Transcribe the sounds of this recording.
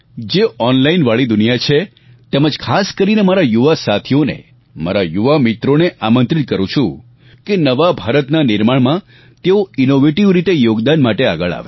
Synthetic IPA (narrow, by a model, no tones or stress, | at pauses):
d͡ʒeɔnlainʋaɭid̪ʊnijat͡ʃʰe | t̪ɛməd͡ʒkʰaskəɾinemaɾajuʋasat̪ʰijonḛ | ma̰ɾajuʋamit̪ɾoneʔamənt̪ɾit̪̚kəɾũt͡ʃʰũ | kenəʋabʱaɾət̪nanɪɾmaɳmã | t̪eoinoʋeʈiʋɾit̪ejoɡd̪anmaʈea̰ɡəɭa̰ʋe